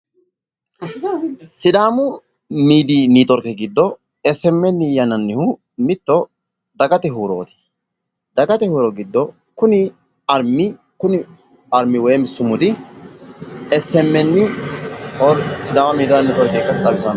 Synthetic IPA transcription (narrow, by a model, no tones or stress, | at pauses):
sɪd̪aːmʊ | miːd̪iːnit̪ʼɔɾkɛɡɪd̪ːɔ | ɛsːɛmːɛnːɪjɐnɐnːɪhʊ | mɪt̪ːɔ | d̪ɐɡɐt̪ɛɦuːɾo̰ːt̪ɪ̥ | d̪ɐɡɐt̪ɛhuːɾɔɡɪd̪ːɔ | kʊnɪ | ɐɾmɪ | kʊnɪ | ɐɾmːɪwɔjɛmɪsːʊmʊd̪ɪ | ɛsɛmːɛnːɪ | ɔɾsɪd̪aːmɐmiːd̪ɐnːɪt̪ʼɔɾkekːɐsɪt̪ʼɐbɪsɐn